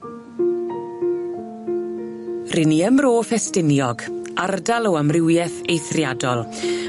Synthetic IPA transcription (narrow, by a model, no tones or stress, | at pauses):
rɪniəmroːfɛstɪnjɔɡardalˠɔamrɪwjɛθejθrjadɔlˠ